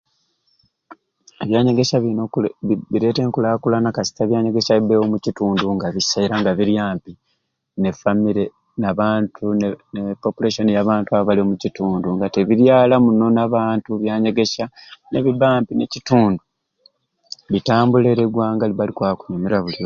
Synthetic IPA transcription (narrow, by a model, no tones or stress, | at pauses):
eβjaːɲe̞ɡe̞ʃaβinoβiɾe̞te̞ːŋkulakulanakasi̥taβjaːɲeɡeʃaibewomucituːnduŋɡaβisaiɾaŋɡaβiɾjaːmpi | ne̞famiɾe | naβaːntʰunenepo̞pulaʃo̞nijaβaːntuaββaliomucituːnduŋɡateβiɾjaːlamuno̞naβaːntuβjaːɲe̞ɡe̞ʃane̞βibaːmpinecituːndu | βitaːmbule̞ɾeɡwaːŋɡaliβalikwaːku̥ɲumeɾaβulio